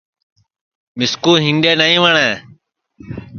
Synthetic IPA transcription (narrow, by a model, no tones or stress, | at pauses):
mɪskuːɦɪnɖeːnəːĩːʋəɳeː